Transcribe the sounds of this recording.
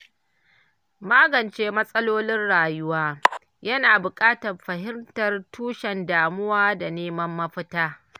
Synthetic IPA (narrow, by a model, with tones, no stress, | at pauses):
maː˦ɡɐ˨nt͡ʃeː˦mɐ˦sʼɐ˦loː˦lɪ˦nɽaː˨jʊ˦waː˦ | jɐ˦naː˨bʊ˨kʼaː˦tɐ˨rɸɐ˨ɦɪ˦mtɐ˨rtʰuː˦ʃɛ˨ndaː˨mʊ˦waː˦da˨neː˦mɐ˦mːɐ˦ɸɪ˦taː˦